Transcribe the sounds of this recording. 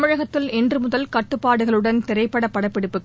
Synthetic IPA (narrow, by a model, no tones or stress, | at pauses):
mɪɻɐɣɐt̪ːɪlɛndrɯmʊðɐlkɐʈːɯpːaːɽɯɣɐɭɯɽɐnt̪ɛɾɐɪpːɐɽɐpːɐɽɐɪpːɛɽɯpːɯkː